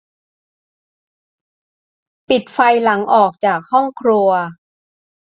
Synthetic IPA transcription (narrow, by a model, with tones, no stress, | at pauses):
pi˨˩t̪̚fa˧jla˩˦ŋʔɔː˨˩k̚t͡ɕaː˨˩k̚hɔ˥˩ŋkʰɾu˧ɐ